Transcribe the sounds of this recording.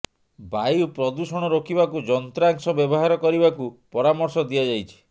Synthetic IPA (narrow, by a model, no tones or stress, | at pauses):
bajupɾɔd̪usɔɽ̃ɔɾokʰibakud͡ʒɔnt̪ɾaŋsɔbjɔbɔɦaɾɔkɔɾibakupɔɾamɔɾsɔd̪iad͡ʒajt͡ʃʰi̥